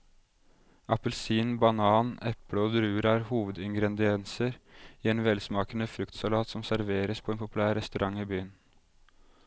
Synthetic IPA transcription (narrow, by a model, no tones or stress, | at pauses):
ʔɑpəlsiːnbɑnɑːnɛpɽəɔd̪ɾʉːəɾæɾhuːʋəd̪ɪŋɡɾɛd̪ɪɛnsəɾɪeːnʋɛlsmɑːkənəfɾʉkt̪sɑlɑːt̪sɔmsæɾʋeːɾəspʰɔeːnpʰʊpʉlæːɾɛst̪ʉɾɑŋːiːbyːən